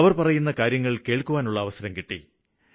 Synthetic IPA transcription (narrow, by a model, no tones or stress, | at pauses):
ɐʋɐrpɐrɐjunːɐkaːɾjɐŋːɐɭke̞ːɭkuʋaːnuɭːɐːʋɐsɐɾɐmkiʈːḭ